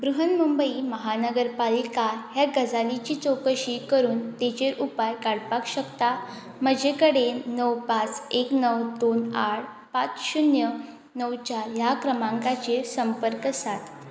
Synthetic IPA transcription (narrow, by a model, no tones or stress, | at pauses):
bɾuɦənmumbəiməɦanəɡəɾpalikaɦjaɡʱəd͡zalit͡ɕiːt͡sokəɕikəɾuːnt̪et͡ɕeɾʔupajkaɽpakɕəkt̪a | m̤əd͡ʑekəɽenəwpat͡seknəwd̪onaɽ | pat͡sɕunjə | nəwt͡ɕajakɾəmãŋkat͡ɕesəmpəɾkəsat̪